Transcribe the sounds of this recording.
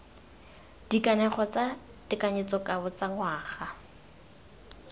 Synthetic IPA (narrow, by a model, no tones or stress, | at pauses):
d̥ikanɛχɔt͡sa | dɪkaɲet͡sɔkʼabʊt͡saŋwaːχa